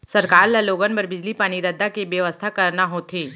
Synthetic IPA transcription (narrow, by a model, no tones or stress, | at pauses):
sɐɾkaːɾlɐloːɡənpɐɾbɪd͡ʒlipaːɽ̃iɾɐd̪ʱːakebjəʋəst̪ʰakɐɾnaɦot̪ʰeː